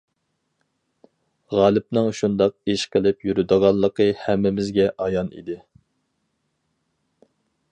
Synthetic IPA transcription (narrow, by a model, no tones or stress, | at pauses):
ʁɑːlˠɪp̚nɨŋʃund̪ɑq̚eʃqʰəlˠɪpjyɾyd̪əʁɑlˠːəqʰəhæmːɪmɪzɡʲɛʔɑjɑnḭd̪ɪ